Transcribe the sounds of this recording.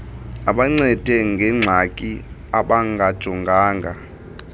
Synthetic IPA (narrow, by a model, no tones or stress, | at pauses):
aɓaŋ͡ǀɛd̥ʱɛŋɡʱɛŋ͡ǀʱakʼiaɓaŋɡʱad̥ʒ̥ʱɔŋɡʱaːŋɡʱa